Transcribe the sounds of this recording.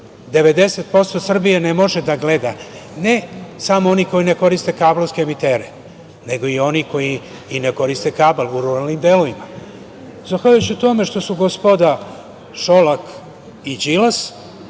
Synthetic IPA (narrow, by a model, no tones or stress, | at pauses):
d̪e̞ʋe̞d̪e̞set̪̚po̞st̪osr̩bijenemo̞ʒe̞d̪aɡled̪ane̞samoo̞niko̞jine̞ko̞ɾist̪e̞kaːbloskeːmit̪e̞ːɾe | ne̞ɡo̞io̞niko̞jiː | neko̞ɾist̪e̞kaːbaluɾuɾalnimd̪eloʋima | zaxʋaʎujut͡ɕiut̪o̞me̞ʂt̪o̞suɡospo̞d̪a | ʃo̞lak | id͡ʑilas